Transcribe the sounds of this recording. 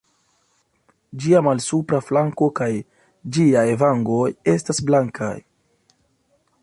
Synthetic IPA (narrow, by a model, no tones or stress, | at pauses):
d͡ʒiamalsupɾaflaŋko̞kaj | d͡ʒiaevaŋɡo̞je̞stasblaŋkʰa̰j